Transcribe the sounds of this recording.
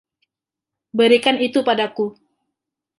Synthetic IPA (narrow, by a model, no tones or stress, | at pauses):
bəɾikanit̪upadaku